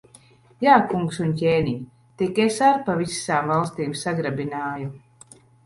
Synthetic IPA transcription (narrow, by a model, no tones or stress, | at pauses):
jaːkuŋksunc̬ʲeːniɲ | t̪ikesaɾpavisaːmvalˠst̪iːmsaɡɾabinaːju